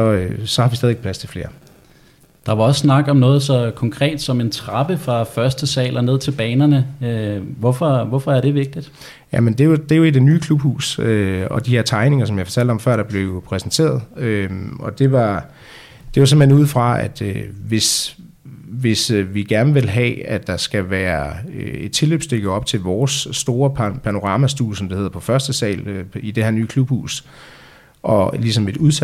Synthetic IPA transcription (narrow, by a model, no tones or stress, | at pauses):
sɒ̽øsɒ̽hɑ̈ʋisdɛðˠeɡ̥̚pʰlæst͡sʰe̝lfle̝ːɐ | d̥ɑ̈ʋɑ̈ɒ̽ssnɑ̈ɡ̥ɒ̽mnɔ̽ːð̞̩ˠsɒ̽kʰɒ̽ŋkʰʁɛ̰ːd̥sɒ̽me̝nt͡sʰʁɑ̈b̥əfʁɑ̈fɶɐsd̥əsɛ̰ːlʔɐne̝ð̞̰ˠt͡sʰe̝lb̥ɛːnɐnəøʋɒfɒʋɒfɒ̽æɐɾ̥e̝ʋe̝ɡ̥̚d̥id̥ | jæmend̥e̝jo̝d̥e̝jo̝id̥e̝nyːkʰlub̥hṵːsøɒ̽d̥ihe̝ɐ̰t͡sʰɑ̈ɪne̝ŋɐs̬ɒ̽mjɑ̈ɪfɒ̥̽t͡sʰæl̰d̥ɒ̽mfɶɐ̰ɾ̥ɑ̈b̥le̝ʊpʰʁɛsnt͡sʰe̝̰ːɐðˠøɒ̽d̥e̝ʋɑ̈ | d̥e̝ʋɑsem̩he̝nuːð̰ˠfʁɑ̈æd̥øʋe̝s | ʋe̝sʋiɡ̥æɐnəʋe̝lɦɛ̰æd̥ɑ̈sɡ̥æʋæːɐøed̥̚t͡sʰe̝lø̰ːb̥sd̥øɡ̥əɒ̽b̥̚t͡sʰe̝lʋɒːsːd̥o̝ːɐpʰpʰæno̝ʁɑ̈ːmæsd̥ṵːlsɒ̽md̥ehe̝ðˠɐpʰɒ̽fɶɐsd̥əsɛ̰ːløid̥e̝hæɐ̰nyːkʰlub̥hṵːs | ʔɒ̽lisɒ̽me̝d̥uðˠs